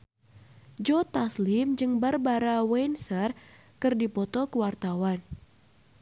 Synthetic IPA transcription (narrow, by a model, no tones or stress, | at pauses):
d͡ʒɔt̪aslɪmd͡ʒɨŋbarbaɾawɛnsər | kɨrdipɔt̪ɔkəwart̪awan